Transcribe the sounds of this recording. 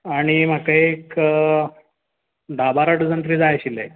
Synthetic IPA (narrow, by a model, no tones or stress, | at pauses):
aɽ̃im̤akaeek | ɖ̪abaɾəʈd͡zənt̪ɾiːd͡zajɕile